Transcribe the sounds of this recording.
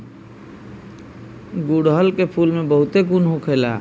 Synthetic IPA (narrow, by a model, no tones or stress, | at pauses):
ɡuɽɦəlkepʰuːlmẽbəɦʊt̪ekunɦũkʰeːla̰ː